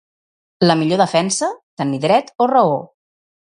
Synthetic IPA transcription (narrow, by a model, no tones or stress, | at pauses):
ləmiʎoðəfɛnsət̪əniðɾɛt̪orəo